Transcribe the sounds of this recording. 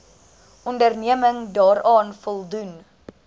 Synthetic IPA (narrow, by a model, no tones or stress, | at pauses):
ʔɔndərniəməŋdɑːɾɑːnfɔlˠdun